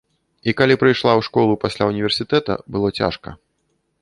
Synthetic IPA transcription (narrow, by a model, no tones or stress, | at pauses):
ikalʲipɾɨjʂlˠawʂkɔlˠupasʲlʲawunʲivʲɛrsʲit̪ɛt̪ɐ̰bɨlˠɔt͡sʲa̰ʂkɐ̰